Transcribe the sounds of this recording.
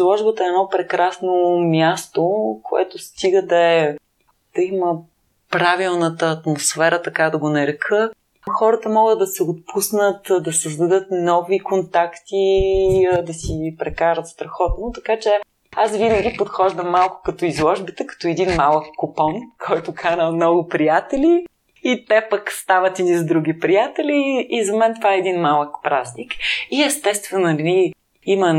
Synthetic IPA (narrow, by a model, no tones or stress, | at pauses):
zlˠɔʒbət̪əɛnɔpɾɛkɾasnomʲjast̪okʰoɛ̰t̪ʊst̪iɡəd̪ɐɛ | d̪̥ɐimə | pɾavilˠnət̪əːt̪mosfɛɾət̪ɐkad̪ɐɡonɐɾɛkʰə | xɔɾət̪əmɔɡəd̪̚d̪ɐsɛot̪̚pʰusnət̪d̪ɐsəzd̪ɐd̪ɤt̪nɔvikont̪akt̪i | d̪ɐsipɾɛkaɾət̪st̪ɾɐxɔt̪not̪ɐkat͡ʃɛ | asvinəɡʲipot̪xɔʒd̪əmːalˠkʊ̥kɐt̪ɔizlˠɔʒbit̪əkɐ̥t̪ɔɛd̪inmalˠəkːʊpɔnkʰɔjt̪ʊkʰanəmnɔɡʊpɾijat̪ɛli | it̪ɛpəkst̪avət̪inizd̪ɾuɡʲipɾijat̪ɛlʲiːzɐmɛnt̪ovaɛɛd̪inmalˠəkpɾaznikiɛst̪ɛst̪vɛnnʲi | imɐ